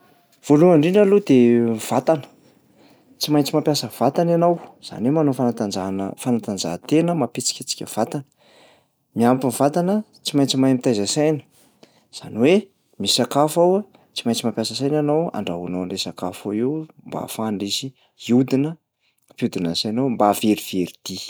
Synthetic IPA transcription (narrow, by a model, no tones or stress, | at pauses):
v̥oluaɳɖ͡ʐiɳɖ͡ʐalud̪ev̥at̪anə̥ | t͡simajɲt͡simapjasəv̥at̪ananawz̥a̰nwemanofanat̪ananfanat̪and͡za̰t̪enəmapit͡si̥kʲat͡si̥kʲə̰v̥at̪anə̥ | miampinv̥at̪anə | t͡simajnt͡simaamit̪ajzasajnə̥ | z̥a̰niwe | misakafawa | t͡simajnt͡simapjasəsajnanawa̰ɳɖ͡ʐaɦunoaɳɖ͡ʐesakafoewmba̰faɳɖ͡ʐisi | iud̪inə | vjud̪inəsanowmbaveɾiv̥eɾid̪̥i